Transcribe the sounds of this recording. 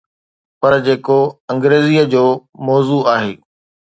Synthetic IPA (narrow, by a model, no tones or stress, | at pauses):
pɐɾd͡ʑeːkoɐ̃ŋɡɾeːzijəd͡ʑoːmɔːzuaːɦeː